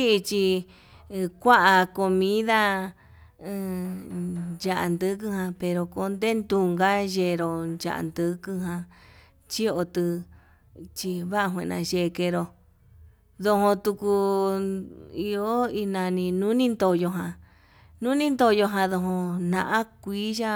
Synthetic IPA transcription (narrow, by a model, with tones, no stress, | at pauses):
i˦i˧t͡ʃi˧ | kʷa˦ʔa˧ko˧mĩ˦ða˦˧ | d͡ʒa˧ʔa˧nd̪ɨ˧˦kɨ˧hã˧pe˧ɾo˧ko˧˦nd̪e˦nd̪u˧ŋɡa˦ʒe˧ɾo˧nd͡ʒa̰˧ʔa̰˧˨nd̪ɨ˧kɨ˧ɦã˧ | t͡ʃi˦o˧t̪ɨ˧ | t͡ʃi˧βa˦ʔa˧ɦwʷḛ̃˧˨nã̰˧ʒe˧ke˧ɾo˧ | ðo˧hõ˧t̪u˧ku˧ | i˧o˦i˧nã˧nĩ˧nũ˦nĩ˦nd̪o˧jo˧ɦã˧ | nũ˦nĩ˦nd̪o˧jo˧ɦã˧ðo˧ɦõ˧nã˧ʔã˦kʷiː˦ʒa˦